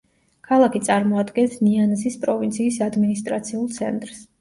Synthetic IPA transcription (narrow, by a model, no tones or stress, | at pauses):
kʰalˠakʰit̪sʼaɾmɔad̪ɡɛnsnianzispʼɾɔvint̪sʰiːsad̪minist̪ʼɾat̪sʰiulˠt̪sʰɛ̰nt̪ʼɾs